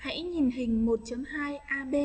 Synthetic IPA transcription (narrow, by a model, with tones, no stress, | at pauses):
ha̰˧˥jɲi˨˩nɦï˨˩ŋ̟mo˨˩t̚t͡ɕə˨˦mhaː˧jʔaː˧ɓe˧